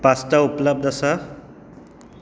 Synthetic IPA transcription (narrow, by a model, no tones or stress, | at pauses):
pasʈaupləb̚d̪asa